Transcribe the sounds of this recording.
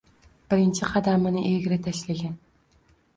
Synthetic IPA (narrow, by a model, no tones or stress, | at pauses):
b̥ɪɾɪnt͡ʃʰɪqʰɑd̪amɪnɪʔeɡʲɪɾɪt̪ʰaʃlaɡʲan